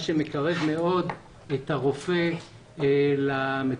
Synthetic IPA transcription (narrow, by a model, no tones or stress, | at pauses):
ʃemekaʁe̞vme̞o̞d | et̪aʁo̞fe̞ | lame